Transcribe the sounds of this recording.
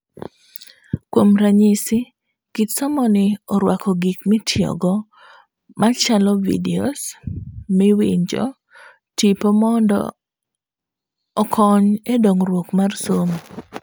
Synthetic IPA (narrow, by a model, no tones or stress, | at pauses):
kwomɾaɲisɪ | kitsɔmɔnɪɔɾwakɔɡikmɪtʰjɔ̰ɡɔ | mat͡ʃalɔvḭdeo̰smɪwḭɲd͡ʒɔ̰ | tipomɔndɔ̰ | kʰɔɲedoŋɾwokmarsom